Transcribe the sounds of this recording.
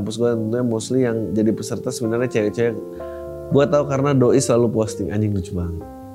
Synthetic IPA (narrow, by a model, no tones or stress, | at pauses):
mpʊsɡuadant̪ənt̪uɲamɔslijaŋd͡ʒadipəsərt̪asəbənarɲat͡ʃajt͡ʃaja | ɡuat̪aukaɾənadoisəlalupɔst̪ɪŋa̰ɲɪŋdut͡ʃubaŋ